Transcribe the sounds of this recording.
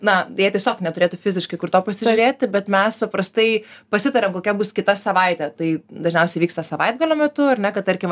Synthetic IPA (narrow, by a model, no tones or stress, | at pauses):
nɐjiɛtʲiɛsʲoːknʲɛt̪ʊɾʲeːt̪ʊfʲɪzʲɪʃkɐɪkʊrt̪oːpɐsʲɪʒʲʊɾʲeːt̪ʲɪbʲɛt̪mʲɛspɐpɾɐst̪ɐɪpɐsʲɪt̪ɐɾʲɛmkoːkʲɛbʊskʲɪt̪ɐsɐʋɐɪt̪ʲɛt̪ɐɪd̪ɐʒʲnʲɛʊsʲɛɪʋʲiːkst̪ɐsɐʋɐɪd̪̚ɡɐlʲoːmʲɛt̪ʊɐɾnʲɛkɐt̪̚t̪ɐɾʲkʲɪm